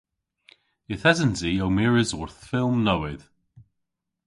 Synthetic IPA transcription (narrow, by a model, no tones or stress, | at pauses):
ɪθɛzənziowmɪɹɪzwɔɹθfɪlˠmnəwɪð̥